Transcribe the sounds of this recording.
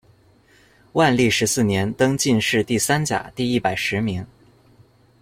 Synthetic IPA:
wa˥˧nli˥˩ʂɻ̩˧˥sɹ̩˥˩njɛ˧˥nt̪ɤ˥ŋt͡ɕi˥˧nʂɻ̩˥˧t̪i˥˩sa˥nt͡ɕja̰˨˩t̪i˥˧i˥˩pa˨˩ɪʂɻ̩˧˥mi˧˥ŋ

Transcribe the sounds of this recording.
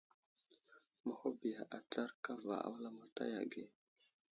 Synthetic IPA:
ma˨ho˦bi˨ja˨ʔa˨ta˦ɾka˦va̰˨a̰˨˦wla˦ma˨ta̰˦ja̰˨ɡe˨

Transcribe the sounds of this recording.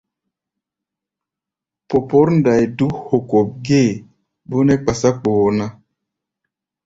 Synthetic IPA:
po˨po˦ɾnda˨jdu˦ho˨ko˨p̚ɡe˦˨ | bo˦ne˦k͡pa˨sa˦k͡poː˨˦na˦

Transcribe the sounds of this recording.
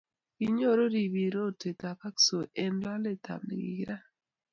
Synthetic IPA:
ɡi˦ɲo˦˨ɾo˦ɾi˨βi˨ɾo˦˨te˨ta˨pa˦kso˨ʔe˨nla˦le˦ta̰˨mnḛ˨ɡḭ˨ɡi˦ɾa˦

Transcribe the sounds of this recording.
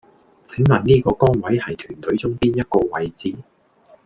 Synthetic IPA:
t͡sʰɪ˨˥ŋlɐː˨˩ŋniː˥kɔː˧kɔː˥nwɐ˨˥jhɐ˨jt̪ʰyː˨˩nt̪ʰɵ˨˥ɥt͡sʊ˥ŋpiː˥njɐ˥t̚kɔː˧wɐ˨˧jt͡siː˨˩

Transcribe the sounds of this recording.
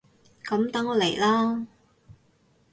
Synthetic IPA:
kɐ˨˥mt̪ɐ˨˥ŋɔː˨˧le˨˩jlaː˥

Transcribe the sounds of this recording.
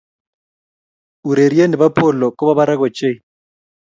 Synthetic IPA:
u˨ɾe˨ɾi˦e˦ni˨ba˦pʰʊ˨lɔ˨kʼɔ˦ba˦ba˦ɾa˦k̬ʼɔ˨t͡ʃʼe˦˨

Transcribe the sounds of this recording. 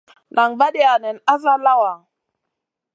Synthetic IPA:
na˨ŋba˦ɗe˦a˨nɛ˨na˦za˦la˦wa˨

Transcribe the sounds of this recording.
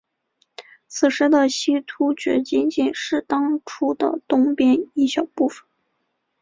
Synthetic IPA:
t͡sʰɹ̩˨˩ʂɻ̩˧˥d̪ə˨ɕi˥t̪ʰu˥t͡ɕɥɛ̰˧˥t͡ɕi˥nt͡ɕi˥˩nʂɻ̩˥˩t̪ɑ˥ŋʈ͡ʂʰu˥d̪ə̰˨t̪ʊ˥ŋpjɛ˥ni˥˩ɕjɑ˨˩ʊpu˥˩fə̥˨˩˦n

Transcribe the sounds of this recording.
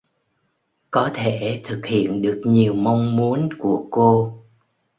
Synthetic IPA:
kɔ˨˦t̪ʰe˧˩t̪ʰɨ˨˩k̚hḭ˧˨ənɗɨ˨˩ək̚ɲi˨˩əwma˧wŋ͡mmu˨˦ənku˧˩əko˧

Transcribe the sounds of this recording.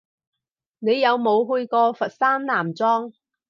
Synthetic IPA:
ne˨˧jjɐ˨˧wmo˨˧wɦɵ˧jkɔː˧fɐ˨t̚saː˥mnaː˨˩mt͡sɔː˥ŋ

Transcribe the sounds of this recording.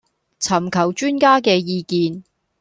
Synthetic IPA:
t͡sʰɐ˨˩mkʰɐ˨˩wt͡ʃyː˥nkaː˥kɛː˧jiː˧kiː˧n

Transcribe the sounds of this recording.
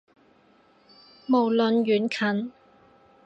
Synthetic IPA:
mo˨˩wlɵ˨njyː˨˥nkʰɐ˨˥n

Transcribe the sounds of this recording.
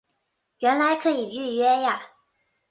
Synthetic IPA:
ɥɛ˧˥nla˧˥ɪkʰɤ˧˥i˨˩y˥˩ɥɛ˥ja˨˩

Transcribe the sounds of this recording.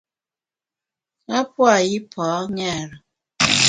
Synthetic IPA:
a˦pwa˦˨ji˦pʰɔː˨˦ŋɛ˦˨ɾɔ˨

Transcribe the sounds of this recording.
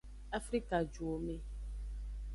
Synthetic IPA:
a˦fɾi˦ka˨d͡ʒu˨o˨mẽ˨

